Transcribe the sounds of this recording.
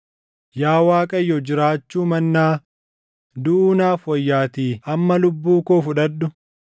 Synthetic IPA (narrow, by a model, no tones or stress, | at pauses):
jaːwaːkʼɐjːɔd͡ʒɪɾaːt͡ʃːuːmɐnːaː | d̪ʊʔuːnaːfwɔjːaːt̪iːɐmːɐlʊbːuːkoːfʊᶑɐɗːʊ